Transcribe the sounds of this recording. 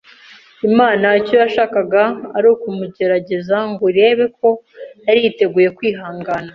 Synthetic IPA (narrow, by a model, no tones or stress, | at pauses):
imaːnaicojaʃaːkaɡaːɾuːkumuɟe̞ɾaɟe̞zaŋɡoɾe̞ːβe̞k̚o̞jaɾite̞ɡuːje̞kwiːɦaːŋɡana